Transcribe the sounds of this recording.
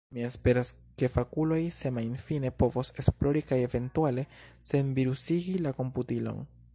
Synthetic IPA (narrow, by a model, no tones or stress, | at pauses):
mie̞spe̞ɾas | ke̞fakulo̞jsemajnfine̞po̞vose̞splo̞ɾikaje̞ve̞ntuale̞ | se̞nviɾusiɡilako̞mputilo̞̰n